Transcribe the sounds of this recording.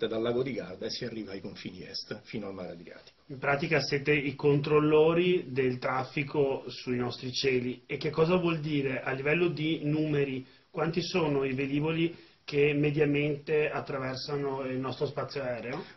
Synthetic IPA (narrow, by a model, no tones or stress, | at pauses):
t̪ed̪alːaːɡod̪iɡa̰rd̪asiarːiːvaːjkoɱfḭːnḭɛ̰st̪fiːnoalma̰ɾad̪ɾija̰ːt̪i̥o̥impɾaːt̪ikaseːt̪eikont̪ɾolːoːɾid̪elt̪ɾafːikosuinɔst̪ɾit͡ʃɛːliek̟ːekːɔːzavwɔld̪iːɾeʔalːivɛlːod̪inuːmeɾi | kwant̪isoːnoived̪iːvoli | k̟emːed̪jament̪eat̪ːɾavɛrsanoilnɔst̪ɾospat̪sːjoaɛːɾeo